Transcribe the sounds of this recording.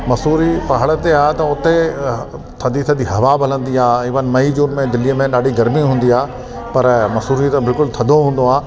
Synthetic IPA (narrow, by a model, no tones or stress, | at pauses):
mɐsuːɾipɐɦəɽət̪eaːɦt̪ɐʊt̪e | t̪ʰɐ̃d̪it̪ʰɐd̪iɦɐʋabʱɐlə̃nd̪iaːɪʋənmɐid͡ʑuːnmẽd̪ɪlijəmẽɗaːɖiɡɐɾmiɦũːnd̪iaː | pɐɾmɐsuːɾit̪ɐ̃bɪlkʊlt̪ʰɐd̪ʱoɦũːnd̪oaː